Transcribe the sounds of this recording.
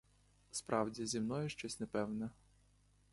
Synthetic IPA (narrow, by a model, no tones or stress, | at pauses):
spɾɑwdʲizʲimnɔjʊʃt͡ʃɔsʲnɛpɛwnɛ